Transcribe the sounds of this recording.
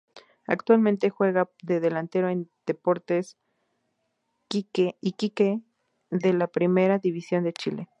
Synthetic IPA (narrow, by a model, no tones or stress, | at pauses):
a̰kt̪walment̪exweɣaðeðelant̪eɾoend̪̥epoɾt̪es | iikike | ðelapɾimeɾaðiβisjo̞nd̪et͡ʃile